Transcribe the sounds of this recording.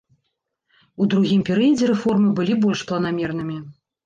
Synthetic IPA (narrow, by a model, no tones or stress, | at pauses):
ud̪ɾuɣʲimpʲɛɾɨjɐd͡zʲɛɾɛfɔrmɨbɨlʲibɔlʲʂplˠɐnamʲɛrn̪ɨmʲi